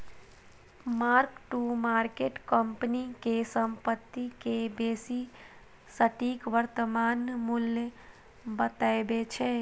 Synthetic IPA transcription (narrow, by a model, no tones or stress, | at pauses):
maɾkʈumaɾkeʈkəmpənikesəmpət̪ːikebesi | səʈikʋəɾt̪əmanmuljə | bət̪aebet͡ʃʰɛ